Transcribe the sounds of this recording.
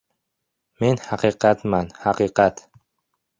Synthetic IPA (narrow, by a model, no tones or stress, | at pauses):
menhaqiqʰat̪manhaqiqat̪